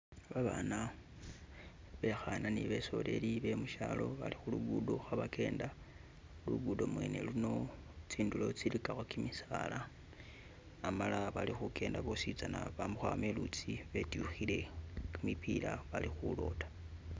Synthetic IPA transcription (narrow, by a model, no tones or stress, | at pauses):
βaβana | βe̞xananiβe̞so̞le̞liβe̞muʃalo̞βa̰lixuluɡudoxaβakʰe̞ːnda | luɡudo̞mweːne̞̰luno̞ | t͡siːndulo̞t͡silikaxokimisaːla | malaβalixukʰe̞ːndaβo̞sit͡sanaβamuxwame̞lut͡siβe̞tjuxile̞kumipilaβalixulo̞̰tḁ